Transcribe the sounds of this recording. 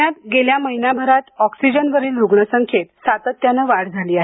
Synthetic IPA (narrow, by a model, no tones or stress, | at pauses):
at̪ɡeljaməɦinabʱəɾat̪ɔksid͡ʑənʋəɾiːlɾuɡɳəsəŋkʰet̪sat̪ət̪ːjanəʋaɽd͡zʱaliːaɦ